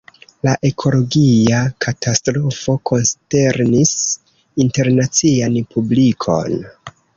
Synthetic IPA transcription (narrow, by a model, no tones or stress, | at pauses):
laʔe̞kʰo̞lo̞ɡiakʰatastɾo̞fo̞kʰo̞nste̞ɾnis | inte̞ɾnat͡sianpʰublikʰo̞̰n